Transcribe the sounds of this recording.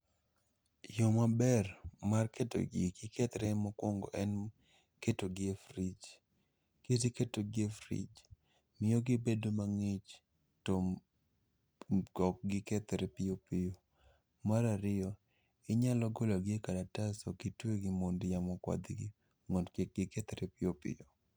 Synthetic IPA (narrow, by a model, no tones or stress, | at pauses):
jomabɛrmarketo̰ɡiɡɪkʰɛt̪ɾɛmɔkwɔŋɡɔ̰ʔɛn | ketoɡɪefɾit͡ʃ | ketiketoɡɪefɾḭt͡ʃ | mɪjoɡibedomaŋɪt͡ʃ | tom | kɔk̚ɡɪkɛt̪ɛɾɛpɪopɪjo | maɾaɾɪjɔ | ɪɲalɔɡolaɡɪekadatasokitweɡɪmondjamɔkwa̰d̪ɡḭ | ŋodkeɡɪkɛt̪ɛɾɛpɪjopɪ̰jo